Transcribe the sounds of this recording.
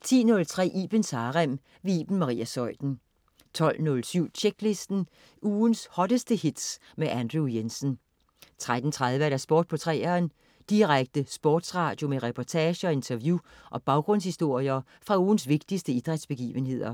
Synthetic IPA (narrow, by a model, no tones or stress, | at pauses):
t͡sʰḭːnɔ̽lt͡sʰʁɛ̰ːʔḭb̥ənsɑːʁam | ʋeḭːb̥n̩mɑ̈ʁḭːæsɒ̽ɪd̥n̩ | t͡sʰɒ̽l̰nɔlsyʊ̰t͡ɕʰeɡ̥le̝sd̥n̩ | uːnshɒ̽ɾ̥əsd̥əhid̥s | meʔænd̥ʁujensn | t͡sʰʁad̥n̩t͡sʰʁað̞ˠʋəæɾæsb̥ɔːd̥̚pʰɒ̽t͡sʰʁɛ̰ːɐːn | d̥iʁaɡ̥̚d̥əsb̥ɔːd̥sʁɑ̰̈ːd̥jo̝meʁɛpʰɒt͡sʰɛːɕəɒ̽e̝nt͡sʰɐʋju | ʔɒ̽b̥ɑ̈ʊɡ̥ʁɔ̽n̰shisd̥o̝ɐ̰iɐ | fʁɑ̈uːn̩sʋe̝ɡ̥̚d̥isd̥əid̥ʁad̥sb̥e̝ɡ̥ḭːʋənɦe̝ð̞̰ˠɐ